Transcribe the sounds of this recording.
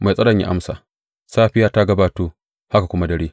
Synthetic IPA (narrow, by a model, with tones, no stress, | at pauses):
ma˨sʼɐ˦ɽɐ˨ɲjḭ˦ʔa̰˦msa̰˨ | saː˦ɸɪ˦jaː˦ta˦ɡɐ˦baː˦toː˦ | ha˦ka˨kʷʊ˦ma˦dɐ˨ɽeː˦